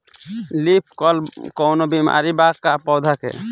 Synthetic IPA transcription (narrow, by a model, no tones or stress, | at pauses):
lip̚ʰkɔlkɔwnobima̰ɾibakːapɔwd̪ʱakḛ